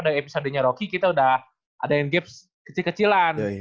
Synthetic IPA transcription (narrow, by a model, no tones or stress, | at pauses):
daɾiepisodəɲaɾokikit̪audah | ʔadajanɡɛp̚s | kə̥t͡ʃilkət͡ʃilan